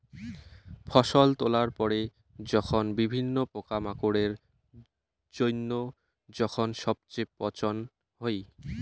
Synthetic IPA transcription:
fʰɔʃolt̪olaɾpɔɾe | d͡ʑɔkʰonbibʱinːopokamakoɽeɾ | d͡ʑojnːo | d͡ʑɔkʰonʃɔb̚t͡ɕepɔt͡ɕon | ɦoj

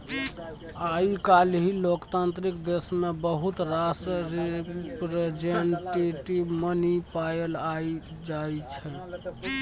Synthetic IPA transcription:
aikalɦilokt̪ant̪ɾikd̪esmebəɦut̪ɾasɾipɾed͡ʒənʈiʈimənipajelai | d͡ʒat͡ʃʰɛ

